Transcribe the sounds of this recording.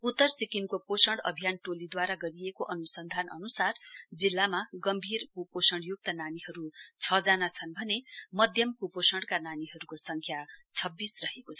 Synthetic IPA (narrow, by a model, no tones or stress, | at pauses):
ut̪ːʌrsikimkoposʌɳɽʌ̰bʱijanʈolid̪waɾaɡʌɾijekoʔʌnusʌnd̪ʱanʌ̰nusard͡zilːamaɡʌmbʱirkuposʌɳɽjuk̚t̪ananiɦʌɾut͡sʰʌd͡zanat͡sʰʌnbʱʌnemʌd̪ʱjʌmkuposʌɳɽkananiɦʌɾukosʌŋkʰjat͡sʰʌbːisrʌɦekot͡sʰʌ